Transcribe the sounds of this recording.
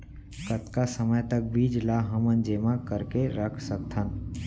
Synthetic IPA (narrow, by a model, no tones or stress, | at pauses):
kət̪kasəməjt̪ək̚biːd͡ʒlaɦəmənd͡ʒemãkəɾkeɾəkʰsək̚t̪ʰən